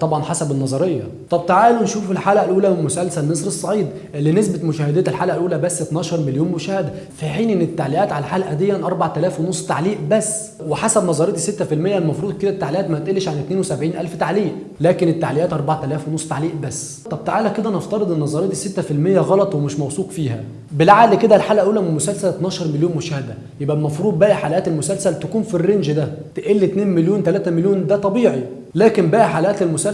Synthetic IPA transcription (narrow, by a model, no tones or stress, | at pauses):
t̪ˤɑbʕɑnħasæbenːɑzˤɑɾejːɑ̰ | t̪ˤɑb̚t̪aʕaːlunʃuːfelħaːlæʔlʔuːlæmʊsælsælːesˤɾesˤːɑʕiːd̪ | linesbæt̪mʊʃæːhed̪æːæt̪elħaːlæʔælʔuːlæbæsːet̪næːʃɑɾˤmeljuːnmoʃæːhæd̪æ | fiħiːnʔenːɪt̪ːaʕliʔæːt̪ʕalæħaːlʔæd̪ejːænʔɑɾˤbɑʕt̪ælæːfwenosˤːt̪aʕliːʔbæsː | weħasæbnɑzˤɑɾejɑd̪iset̪ːæfilmejːælmɑfɾuːd̪̚ˤked̪æt̪ːaʕliʔæːt̪mæt̪ʔælːeʃʕanet̪neːnwesæbʕiːnʔælft̪aʕliːʔ | læːkenet̪ːaʕlɪjæːt̪ʔɑɾˤbaʕt̪ælæːfwenosˤːt̪aʕliːʔbæsː | t̪ˤɑb̚t̪aʕaːlæked̪æneft̪ɑɾɨd̪ʔenːɑzˤɑɾed̪iset̪ːæfilmejːæɣɑlɑt̪ˤwemeʃmæwsˤuːqfiːhæ̰ | belʕaːliked̪ælħaːlæʔuːlæmenmʊsælsælt̪næːʃɑɾˤmeljoːnmoʃæːhd̪æ | jebʔælmɑfɾuːd̪̚ˤbæːʔæħalʔæːt̪elmʊsælsælt̪ækuːnfirːenʒd̪æt̪eʔelːit̪neːnmeljoːnt̪ælæːt̪æmeljoːnd̪æt̪ˤɑbiːʕi | læːkembæːʔæħalæʔæːt̪elmʊsæ